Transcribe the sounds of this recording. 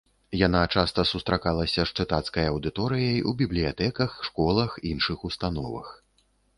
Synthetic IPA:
janat͡ʂast̪ɐsust̪ɾakalˠɐsʲɐʂt͡ʂɨt̪at̪skɐjɐwd̪ɨt̪ɔɾɨjɐjṵbʲiblʲijat̪ɛkɐxʂkɔlˠɐxinʂɨxust̪anɔvɐ̰x

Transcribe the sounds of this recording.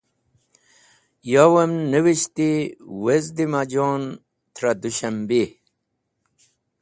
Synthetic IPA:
jawɐmnəwiɕt̪iwezd̪imad͡ʑoːn | t̪ʰɾad̪uɕɐmbi

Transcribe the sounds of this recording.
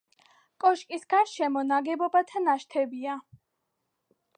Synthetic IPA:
kʼɔʃkʼisɡ̥aɾʃɛmɔnaɡɛbɔbat̪ʰanaʃt̪ʰɛbia

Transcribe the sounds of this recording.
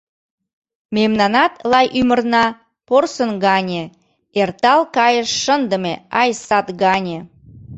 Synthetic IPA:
memnɑnɑt̪lɑjʔymərnɑ | porsənɡɑnʲe | ert̪ɑlkɑjəʃːənd̪əmeɑjsɑt̪ɣɑnʲe

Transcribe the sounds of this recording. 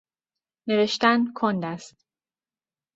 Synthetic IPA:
ne̞ve̞ʃt̪ænkʰond̪æst̪

